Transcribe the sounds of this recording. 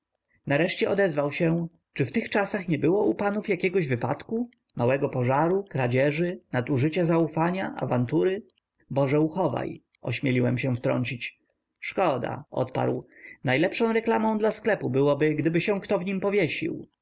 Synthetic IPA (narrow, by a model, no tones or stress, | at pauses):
naɾɛʂt͡ɕɛʔɔd̪ɛzvawɕɛ | t͡ʂɘft̪ɘxt͡ʂasaxɲɛbɘwɔʔupanufjakʲɛɡɔʑvɘpa̰t̪ku | mawɛɡɔpɔʐaɾukɾad͡ʑɛʐɘnat̪uʐɘt͡ɕazaufaɲaʔa̰vant̪uɾɘ | bɔʐɛuxɔva̰j | ɔ̰ɕmʲjɛlʲiwɛmɕɛ̃ft̪ɾɔ̰ɲt͡ɕit͡ɕ | ʂkɔd̪a̰ɔ̰t̪pa̰ɾwnajlɛpʂɔ̃w̃ɾɛklamɔ̃d̪lasklɛpubɘwɔbɘɡd̪ɘbɘɕɛ̃kt̪ɔvɲimpɔvʲjɛɕḭw